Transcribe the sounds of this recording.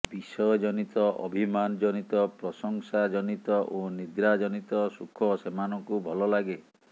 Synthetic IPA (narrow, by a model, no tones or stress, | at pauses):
bisɔjɔd͡ʒɔnit̪ɔʔɔ̰bʱimand͡ʒɔnit̪ɔpɾɔsɔŋsad͡ʒɔnit̪ɔʔonid̪ɾad͡ʒɔnit̪ɔsukʰɔsemanɔŋkubʱɔlɔlaɡe